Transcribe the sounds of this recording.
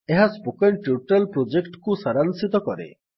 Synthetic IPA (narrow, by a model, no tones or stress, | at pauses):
eɦaspokeɳʈjuʈalpɾod͡ʒekʈkusaɾansit̪ɔkɔɾḛ